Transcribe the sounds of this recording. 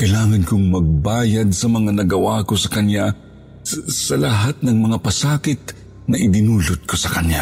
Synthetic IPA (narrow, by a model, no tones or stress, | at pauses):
kɐjlaːŋɐnkʊŋmɐɡ̚baːjad̪̚sɐmɐŋanɐɡɐwakosɐkɐnja | sɐlɐɦat̪̚nɐŋmɐŋapɐsaːkɪt̪̚ | nɐʔɪd̪ɪnuːlot̪̚kʰosɐkɐnja